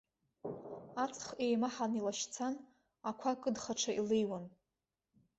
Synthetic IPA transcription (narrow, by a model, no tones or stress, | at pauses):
at͡sʼχejmaħanilaʃt͡sʰan | akʷʰakʼɨdχaʈ͡ʂʰaʔilejwan